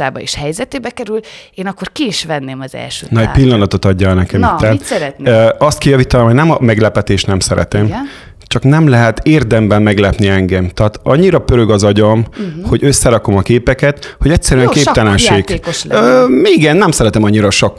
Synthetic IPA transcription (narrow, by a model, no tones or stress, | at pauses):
aːbɒḛʃhɛjzɛt̪eːbɛkɛɾyleːnɒkːorkiːʃʋɛnːeːmɒzɛ̰lʃø̰ːnɒɛpilːɒnɒt̪o̞t̪ɒɟːɒnɛkɛmit̪ːat̪t̪ɒst̪̚kɛjɒvit̪ɒnomhoɟnɛmɒmɛɡlɛpɛt̪eːʃt̪nɛmsɛɾɛ̰t̪ɛm | t͡ʃɒknɛmlɛɦɛt̪eːrd̪ɛmbɛmːɛɡlɛpniɛŋɡɛmt̪æaːt̪ɒɲːiɾɒpøɾøɡɒzɒɟomho̞ɟøsːɛɾɒko̞mɒkeːpɛkɛt̪ho̞ɟɛcʲsɛɾyɛŋkeːpt̪ɛlɛnʃeːk̪ːoøiɡɛnːɛmsɛɾɛt̪ɛmɒɲːiɾɒʃok